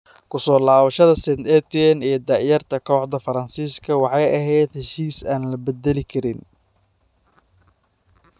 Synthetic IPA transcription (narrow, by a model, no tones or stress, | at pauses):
kʰʊsɔːlaːβɐʃɐðɐsɛnd̪ɛt̪iɛnɛːd̪ɑʕjɐrt̪ʰɐkʰɔːħd̪ɐfɐɾɐnsiːskʰɐwɑħɑjʔɐɦɛjd̪hɛʃiːsaːnlɐbɛd̪ɛlɪkʰɐɾɪn